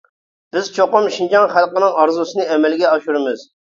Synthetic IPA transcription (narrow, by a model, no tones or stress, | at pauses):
b̥ɪz̥t͡ʃʰoqʊmʃind͡ʒɑŋχælˠqənɨŋɑɾzusɨnɨɛmɛlɡʲɛɑʃuɾɨmɨz̥